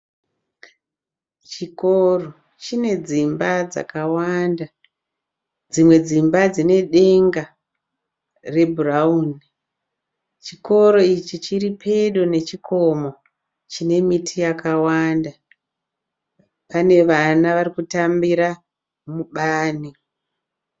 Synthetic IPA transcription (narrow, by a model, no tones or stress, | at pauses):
t͡ʃikoro | t͡ʃine̞d͡zimbad͡za̰kawanda | d͡zimwe̞d͡zimbad͡zine̞ɗe̞ŋɡa | re̞bʱurauni | t͡ʃiko̞ɾo̞it͡ʃit͡ʃiripʰe̞ɗone̞t͡ʃikʰo̞mo̞ | t͡ʃine̞mitʰijakawanda | pane̞ʋanaʋarikutambiɾa | muɓaːni